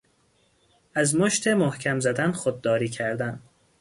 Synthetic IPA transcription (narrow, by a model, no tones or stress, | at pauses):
æzmoʃt̪ʰe̞mohcʰæmzæd̪ænxod̪̚ːɒːɾiːcʰæɾd̪æn